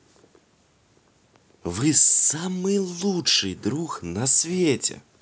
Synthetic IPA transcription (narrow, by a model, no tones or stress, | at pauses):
vɨsamɨlˠut͡ʂɨjd̪ɾuxnɐsʲvʲet͡sʲɛ̰